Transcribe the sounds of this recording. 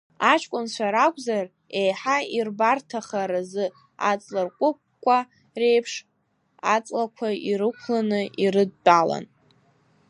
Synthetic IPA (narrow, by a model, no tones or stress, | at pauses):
at͡ʃʰʼkʷʼʊnt͡ɕʷʰaɾakʷʼzar | ejħairbartʰaχaɾazɨ | a̰t͡sʼlɨrkʷʼʊp̚ | kʷʼːa | re̞jpʰʂ | at͡sʼlakʷʰaiɾɨkʷʰlanɨʔiɾɨd̚ːʼala̰n